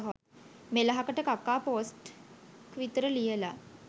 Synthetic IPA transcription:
ɦo | melaɦakəʈəkakːaːpoːsʈkʋit̪ɾəlijəla

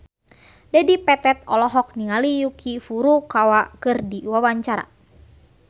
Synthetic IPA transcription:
dɛdipɛt̪ɛt̪ɔlɔɦɔk̚niŋalijukʰifuɾukawaʔkɨrdiwawaɲt͡ʃaɾa̰

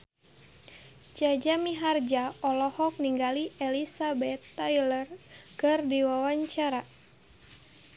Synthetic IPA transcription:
d͡ʒad͡ʒamiɦard͡ʒaɔlɔhɔk̚niŋɡaliʔelisabɛt̪ːajlərkɨrdiwawaɲt͡ʃaɾa

